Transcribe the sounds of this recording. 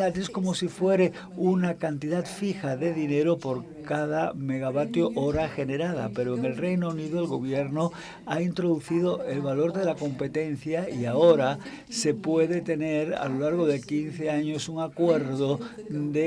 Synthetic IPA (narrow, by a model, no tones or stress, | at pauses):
at̪eskomosifweɾe | unakant̪iðat̪fixaðe̞ðineɾopoɾ | kað̞ame̞ɣ̞aβat̪joʔoɾaxe̞neɾað̞a̰pe̞ɾoeŋelrejnouniðoelɣo̞β̞jeɾno | aint̪ɾoðuθið̞oe̞lβalo̞ɾðelako̞mpe̞t̪en̟θjaiaoɾa | se̞pweðet̪e̞neɾa̰lolaɾɣ̞oðe̞kinθeaɲosuŋakweɾðod̪e